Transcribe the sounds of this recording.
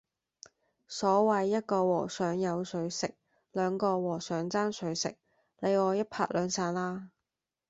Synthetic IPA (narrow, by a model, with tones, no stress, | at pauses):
sɔː˨˥wɐ˨jːɐ˥t̚kɔː˧wɔː˨˩sœː˨˥ŋjɐ˨˧wsɵ˨˧˥ɥsɪ˨k̚ | lœː˨˧ŋkɔː˧wɔː˨˩sœː˨˥ŋt͡saː˥nsɵ˨˥ɥsɪ̰˨k̚ | le˨˧jɔː˨˧jɐ˥t̚pʰa̰ː˧˥k̚lœː˨˧ŋsaː˧nlaː˥